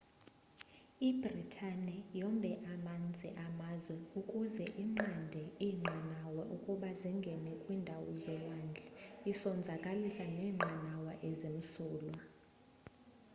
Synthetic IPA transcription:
ibritʰanɛjɔmbʱɛʔamand͡zʱɛ̰ʔamazwɛukʼuzɛʔiŋ͡ǃandʱɛiŋ͡ǃanawɛʔukʼuɓaziŋɡʱɛnɛkʼwiːndʱawɔzɔwaːnd͡ɮʱɛisɔnd͡zʱakʼalisanɛːŋ͡ǁʱanawaʔezim̩suːlwa

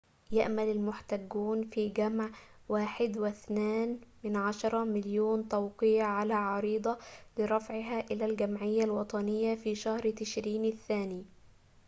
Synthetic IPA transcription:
jaʔmalɪlmʊħt̪aɡːuːnfiːɡamʕwaːħɪd̪wɪθnaːnmɪnʕaʃɑɾˤɑmɪljuːnt̪ɑwqɪjʕalaːʕɑɾiːd̪ˤɑlɪɾˤɑfʕɪɦaːʔɪlæːlɡamʕɪjːalwɑt̪ˤɑnɪjːafiːʃahɾt̪ɪʃɾiːnɪθːaːniː

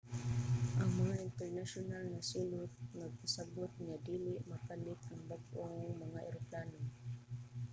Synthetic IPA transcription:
ʔɐŋmɐŋaʔɪnt̪ɛɹnaʃʊnalnasiːlʊt̪̚nɐɡ̚pasaɡʊt̪̚ɲad̪iːlɪʔmɐpalɪt̪ɐŋbaɡʔoŋmɐŋaʔɛɾoplaːno

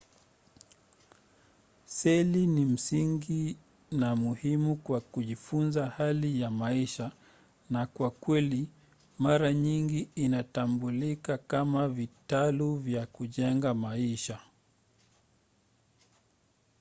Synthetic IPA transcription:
sɛlinim̩siŋɡi | namuhimukwakuʄifunzahalijamaiʃa | nakwakwɛli | maɾaɲiŋɡiːnatambulikakamavitaluvjakuʄɛŋɡamaiʃa

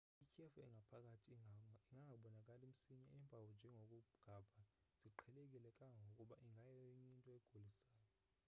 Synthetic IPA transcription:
ikʰefuɛŋʱapʰak̬ʼatʰiiŋaŋɡaɓɔnakʼalim̩siɲa̰ɛːmpawɔnd͡ʒʱɛŋʱok̬ʼuɡ̥ʱaːb̥ʱaz̥iǃʰɛlek̬ʼilɛkʼaŋʱokʼuɓaʔiŋʱajɛɲintʼɔɛɡ̥ʱolisaːjɔ

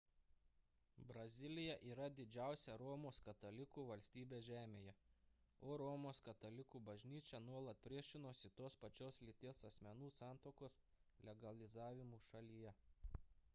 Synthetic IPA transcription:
bɾɐzʲɪlʲɪjɛʔiːɾɐd̪ʲɪd͡ʒʲæˑʊsʲɛɾɔːmoːskɐt̪ɐlʲɪkuːʋɐlʲsʲt̪ʲiːbʲeːsʒʲæːmʲeːjɛ | oːɾɔːmoːskɐt̪ɐlʲɪkuːbɐʒʲnʲiːt͡ʃʲɛnuɔlˠɐt̪̚pʲɾʲiɛʃʲɪnoːsɪt̪oːspɐt͡ʃʲoːslʲɪt̪ʲeːsɐsʲmʲɛnuːsɑˑnt̪oːkoːs | lʲɛɡɐlʲɪzɑːʋʲɪmuːʃɐlʲijɛ

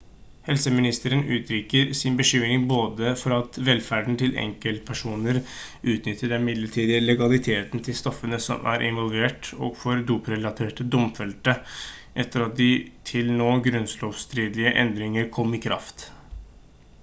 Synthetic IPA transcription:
hɛlsəmɪnɪst̪əɾənʔʉːt̪ʰɾiːkəɾsɪnbəʂʏmnɪŋboːd̪əfɔɾɑt̪ʋɛlfæɖn̩t̪ʰɪlʔɛ̰ŋkəlt̪̚pʰæʂuːnəɾ | ʔʉːt̪nʏt̪ʰːəɖɛnmɪd̪ləʈʰiːd̪ɪlɛɡɑlɪt̪ʰeːt̪n̩t̪ʰɪlst̪ɔfːənəsɔ̰mʔæ̰ɾʔɪ̰nʋɔlʋeːʈɔ̰ɡfɔɾd̪uːpɾɛlɑt̪ʰeːʈəd̪ʊmfɛlt̪əʔɛt̪ʰːəɾɑt̪̚d̪ɪt̪ʰɪlnoːɡɾʉnsloːʋst̪ɾiːd̪lɪəʔɛ̰nd̪ɾɪŋəɾkʰɔmːɪkʰɾɑ̰ft̪

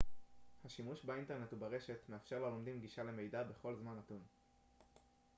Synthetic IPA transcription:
haʃimuʃbainte̞ʁne̞thubaʁe̞ʃe̞t̪me̞afʃeʁlolomd̪imɡiʃale̞me̞jdabe̞χo̞lzmanatun

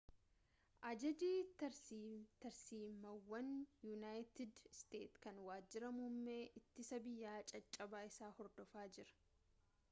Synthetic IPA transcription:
ʔɐd͡ʒɐd͡ʒiːt̪ɐɾsit̪ɐɾsiːmːɐwːɐnjunaːjt̪ɪd̪st̪ḛːt̪kɐnwaːd͡ʒːɪɾɐmumːeːʔɪt̪ːɪsɐbɪjːaːt͡ʃʼɐt͡ʃʼːɐbaːɪsaːhɔɾd̪ɔfaːd͡ʒɪɾɐ̥

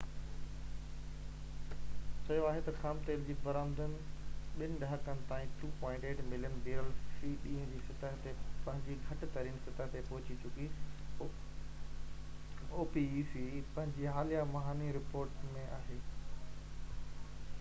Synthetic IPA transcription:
sɐjoaːɦet̪ɐxaːmt̪eːld͡ʑiːbɐɾaːmd̪ənɪ̆ɓɪnɪ̆ɖɐɦəkənɪ̆t̪ãːĩʈuːpɔ̃ːɪ̃ɳʈeːʈmɪlijənbiːɾəlsiːɗĩːə̃d͡ʑiːsɐt̪əɦt̪epɐ̃ɦɪ̃ɲd͡ʑiɡʱɐʈɪt̪ɐɾiːnsɐt̪əɦt̪epɐɦʊt͡ɕit͡ɕʊki | oːpisipɐ̃ɦɪ̃ɲd͡ʑiɦaːlijamɐɦaːniɾɪpoːɾʈmẽʔaːɦeː

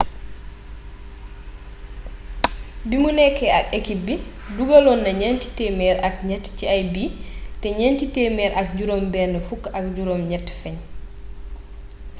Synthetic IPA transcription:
bimunɛkːɛɐkekibi | duɡɐlɔnːɐɲɛnti̥tɛmɛːɾɐk̚ɲɛtːciɐjbitɛɲɛntitɛːmɛːɾɐk̚ɟuɾombɛːndəfukːɐk̚ɟuɾomɲɛtːfɛɲ

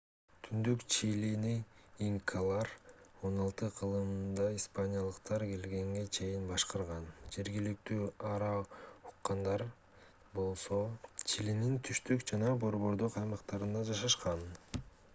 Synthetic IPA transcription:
t̪ʰynd̪ykt͡ʃiliniːŋkʰalˠɑɾo̞nɑlˠt̪ɯqʰɯlˠɯmnd̪ɑispanʲijalˠɯqt̪ɑɾɡe̞lɡe̞ŋɡe̞t͡ʃʰe̞jinbɑʃqɑɾʁɑnd͡ʒe̞ɾɡilik̚t̪yːɑɾɑu̥qːɑnd̪ɑɾ | bo̞lˠso̞t͡ʃilinint̪ʰyʃt̪ykd͡ʒɑnɑbo̞ɾβo̞ɾd̪oqɑjmɑqt̪ɑɾɯnd̪ɑd͡ʒɑʃɑʃqɑn

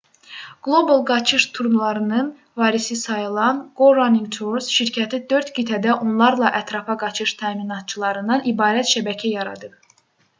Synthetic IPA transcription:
ɡ̥lˠo̞bolˠɡɑt͡ʃʰɯʃt̪ʰuɾmlˠɑɾɯnɯn | vɑːɾisisɑjɯlˠɑnɡ̥oɾaniŋɡt̪ʰuɾsʃiɾcʰæt̪ʰid̪ø̞ɾt̪ɡit̪ʰæd̪æʔonlˠɑɾlˠɑʔæt̪ʰɾɑfɑɡɑt͡ʃʰɯʃt̪ʰæːminɑt̪̚t͡ʃʰɯlˠɑɾɯnd̪ɑnibɑːɾæt̪ʃæbæcʰæjɑɾɑ̰d̪ɯp

